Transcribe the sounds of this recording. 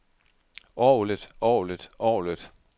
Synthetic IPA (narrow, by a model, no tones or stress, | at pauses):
ɒːlid̥ɒːlid̥ɒ̰ːlid̥